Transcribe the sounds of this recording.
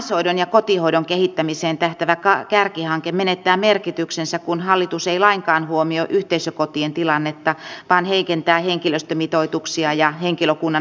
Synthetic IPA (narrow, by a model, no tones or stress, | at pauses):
shoidonjɑkot̪ihoiɾoŋkehit̪ːæmiseːnt̪æht̪æʋækɑkærkihɑŋkemmenet̪ːæːmerkit̪yksensækkunhɑlːit̪useilɑiŋkɑːnhuomioʔyht̪eisøkot̪ient̪ilɑnːet̪ːɑʋɑːnheikent̪æːheŋkiløst̪ømit̪oit̪uksiɑjɑheŋkiløkunːɑ